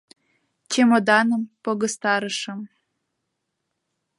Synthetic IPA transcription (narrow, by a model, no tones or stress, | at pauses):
t͡ɕemod̪ɑnə̆mpoɣɤ̆st̪ɑɾəʃɤ̆m